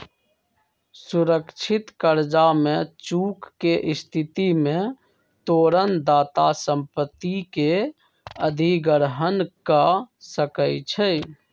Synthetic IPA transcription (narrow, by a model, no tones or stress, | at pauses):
suɾəkt͡ʃʰit̪kəɾd͡ʒamẽt͡ʃukːeʔɪst̪ʰit̪imẽ | t̪oːɾənd̪aːt̪asə̃mpət̪ːike | əd̪ʱiɡəɾɦənkəsəkəjt͡ʃʰɛj